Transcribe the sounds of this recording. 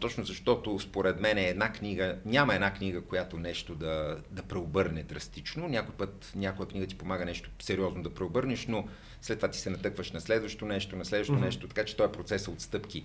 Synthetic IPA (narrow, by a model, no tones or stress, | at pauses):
t̪ɔt͡ʃnozɐʃt̪ɔt̪ospoɾɛd̪mɛnɛːd̪nakniɡənʲamɐɛd̪naknʲiɡəkojat̪onɛʃt̪od̪ɐd̪ɐpɾɛobɤɾnɛd̪ɾɐst̪it͡ʃnonʲakojpɤt̪nʲakojəkniɡət̪i̥pomaɡənɛʃt̪o̥sɛɾiɔznod̪ɐpɾɛobɤɾnɛʃno | slɛt̪ːovat̪i̥sɛnɐt̪ɤkvəʃnɐslɛd̪vəʃt̪onɛʃt̪onɐslɛd̪vəʃt̪onɛʃt̪ot̪ɐkat͡ʃɛ̥t̪ɔɛpɾot̪sɛsəot̪st̪ɤpki